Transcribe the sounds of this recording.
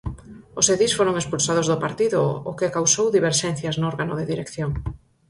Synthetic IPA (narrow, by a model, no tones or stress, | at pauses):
ʊseðisfoɾoŋespulsað̞ozðʊpaɾt̪iðʊ̰ʊkɪkawsowðiβ̞eɾʃɛn̟θjaznʊɔɾɣanʊðeðiɾekθjoŋ